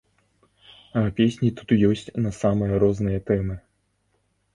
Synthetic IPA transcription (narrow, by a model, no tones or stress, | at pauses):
ɐpʲesʲnʲit̪ut̪jɔsʲt͡sʲnɐsamɨjɐɾɔznɨjɐt̪ɛmɨ